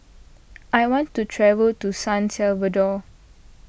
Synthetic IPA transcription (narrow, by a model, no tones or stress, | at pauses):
ʔajwɔ̃ntːutʰɹɛvəltusãnsɛlvədɔ